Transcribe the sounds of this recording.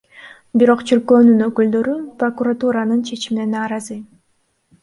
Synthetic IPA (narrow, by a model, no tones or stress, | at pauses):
biɾo̞qt͡ʃʰiɾkøːnynøkyld̪ø̞ɾypro̞kurat̪uɾanɯnt͡ʃʰe̞t͡ʃiminenɑːɾɑzɯ